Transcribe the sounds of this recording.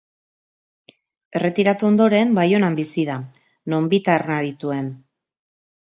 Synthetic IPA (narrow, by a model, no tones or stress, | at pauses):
e̞re̞t̪iɾat̪uo̞nd̪o̞ɾe̞mbajo̞nambisiða | no̞mbit̪arnaðit̪ue̞n